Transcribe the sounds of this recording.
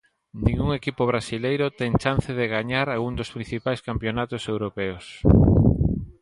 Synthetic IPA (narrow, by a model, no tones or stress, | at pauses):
nĩŋɡuŋekipoβ̞ɾasilejɾʊt̪ɛŋt͡ʃanθeðeɣaɲaɾalɣund̪ʊspɾĩn̟θipajskampjonat̪ʊsewɾopɛos